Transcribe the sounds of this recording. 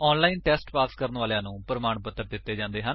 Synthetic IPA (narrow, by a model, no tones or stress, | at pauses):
ɔːnlaːinʈɛːsʈpaːskəɾənʋaːlejãːnũːpəɾəmaːɳpət̪ːəɾd̪ɪt̪ːeːd͡ʒãːnd̪eːɦən